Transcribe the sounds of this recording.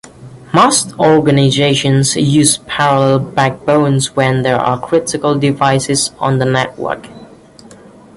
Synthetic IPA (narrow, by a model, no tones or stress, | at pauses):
mastɔɹɡənazeɪʃə̃nzjʉːzpʰæɹəlɛlˠbæk̚b̥õʊ̃nzwɛ̃nðəɹa̰kʰɹ̥ɪtɪkəlˠdɪvaɪsɪz̃n̩ðənɛʔ̚wɜ̰˞k